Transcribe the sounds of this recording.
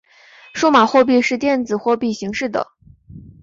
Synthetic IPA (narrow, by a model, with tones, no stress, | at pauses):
ʂu˥˧ma˨˩xwɔ˥˧p̬i˥˧ʂɻ̩˥˧t̪jɛ˥˩nt͡sɹ̩˨˩xwɔ˥˧pi˥˩ɕi˧˥ŋʂɻ̩˥˩d̪ə̰˩